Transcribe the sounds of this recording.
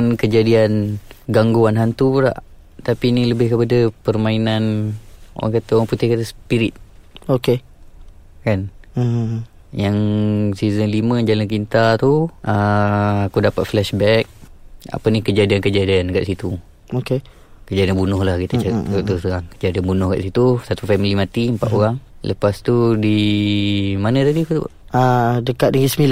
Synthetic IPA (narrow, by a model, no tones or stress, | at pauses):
ankəd͡ʒadianɡaŋɡuanɦant̪uəɾa̰ʔ | t̪apiniləbɪhkəpadapərmainano̰ɣa̰ŋkat̪aoɣaŋput̪ɪhkat̪asəpiɾit̪̚oke | kan | jaŋsizənlimə̃d͡ʒalankint̪at̪uəakudapat̪̚flɛʃbɛk̚a̰pənikəd͡ʒiadiankəd͡ʒiadiankaʔsit̪u | oke | kəd͡ʒadianbunʊhlahkit̪ət͡ʃət͡ʃəət̪ust̪əɾaŋkəd͡ʒiadianbunʊhka̰ʔsit̪usat̪ufɛmilimãt̪iəmpat̪oɾaŋlʔə̰past̪udi | manət̪adikut̪u | adəkat̪̚dəŋisəmila